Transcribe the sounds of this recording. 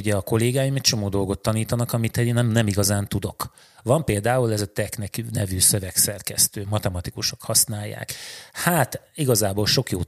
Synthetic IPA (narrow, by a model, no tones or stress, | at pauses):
uɟɛɒko̞leːɡaːjimɛct͡ʃo̞moːd̪o̞lɡo̞t̪ːɒniːt̪ɒnɒkɒmit̪eːnːɛmnɛmiɡɒzaːnt̪ud̪o̞k | vɒmpeːld̪aːulɛzɒt̪ɛknɛkynɛvyːsøvɛksɛrkɛ̰st̪øːmɒt̪ɛmɒt̪ikuʃo̞̥khɒsnaːjːa̰ːkhaːt̪iɡɒzaːboːlʃo̞kjoː